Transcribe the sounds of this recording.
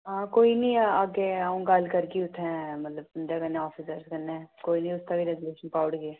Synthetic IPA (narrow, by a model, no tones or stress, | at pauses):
ɦãːkoːinĩaɡeaːũɡalkəɾkiʊʈ̪ʰːɛ̃mɐt̪ləbʊnd̪akənẽɔːfʰisəɾskənːeːkoːinĩʊst̪akiɾɛɡʊleːʃənpaːʊɽɡe